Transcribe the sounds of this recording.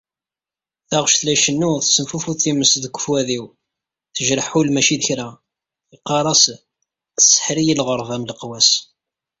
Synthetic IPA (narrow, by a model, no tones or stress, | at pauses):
θæʁʃθlæʃənːuθəsːəmfufuθiməsðəɡʷə̥fwæðiw | θəʒɾəħulmæʃiðəçɾæ | θiqːɑɾˤɑs | θə̥sːə̥ħɾijilʁəɾˤvæmləqwæs